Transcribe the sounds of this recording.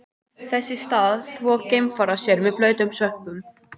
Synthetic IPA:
θɛsːɪst̪aːðθʰvɔːcejmfaɾasjɛɾmɛðplœːɥt̪ʏmsœhpʏm

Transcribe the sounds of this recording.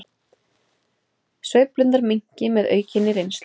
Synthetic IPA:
svœːɥplʏnt̪aɾmiɲ̥cɪmɛðœ̰ːɥcʰɪnːɪɾejns

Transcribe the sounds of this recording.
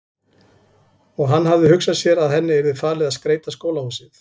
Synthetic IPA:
ɔɣɦanːɦavðɪhʏksasjɛɾaðɦɛnːɪɛɾðɪfaːɾlɪðaðskɾeːjt̪askoːwlahusɪθ

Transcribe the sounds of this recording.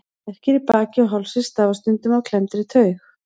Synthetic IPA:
ɛhcɪɾipaːcɪɔɦɔlsɪst̪aːvast̪ʏnt̪ʏmawkʰlɛmt̪ɪɾɪt̪ʰœːɥx

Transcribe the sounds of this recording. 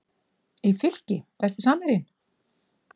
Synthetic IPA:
ifɪl̥cɪvɛst̪ɪ̥saːmɪɾɪn

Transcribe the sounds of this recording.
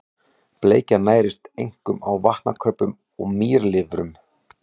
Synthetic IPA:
pleːjcanaːjɾɪst̪ejŋ̥kʏmawvaht̪na̰kʰɾœpːʏm | ɔɣmiːɾlɪvɾʏm

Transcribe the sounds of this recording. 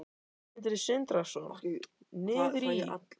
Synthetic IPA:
t̪̬ɪɾɪsɪnt̪ɾasɔn | nɪːðɾia̰t̪

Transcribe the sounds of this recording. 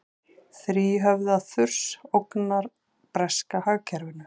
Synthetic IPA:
θɾiːɦœvðaðθʏr̥sowknaɾ̥ | pɾɛskahaɣcʰɛɾvɪnːʏ

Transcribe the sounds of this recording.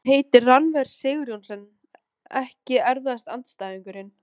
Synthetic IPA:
ɦeːjt̪ɪranvɛɾsɪːɣɾjonsɛnː | ɛhcɪɛɾvðast̪ant̪st̪aːðiŋkʏɾɪn

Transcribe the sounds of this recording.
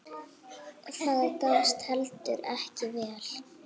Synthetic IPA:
θaːðɛɾkanst̪hɛlt̪ʏɾɛhcɪvɛːl̥

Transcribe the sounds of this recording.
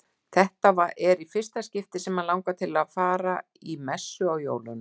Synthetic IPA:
θɛht̪avaʔɛɾifɪr̥st̪ascɪft̪ɪsɛmalawŋkat̪ʰɪlaðfaːɾa | imɛsːʏawjo̰ːwlʏn

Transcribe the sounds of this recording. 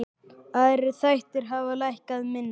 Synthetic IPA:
aðɛɾɪθajht̪ɪɾ̥ɦavalajhkaðmɪnː

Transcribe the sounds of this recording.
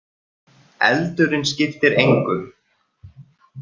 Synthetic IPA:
ɛ̰lt̪ʏɾɪnscɪft̪ɪɾejŋkʏm

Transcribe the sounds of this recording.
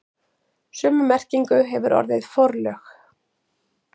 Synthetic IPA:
sʏːmʏmɛr̥ciŋkʏɦɛvʏɾɔ̰ɾðɪðfɔɾlœx

